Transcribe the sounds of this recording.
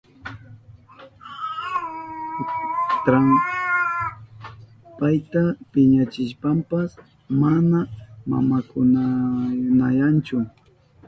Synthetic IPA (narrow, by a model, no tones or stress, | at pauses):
t̪ɾaŋ | pajt̪apɪɲat͡ʃɪʃpampas | manama̰makʊnanajant͡ʃʊ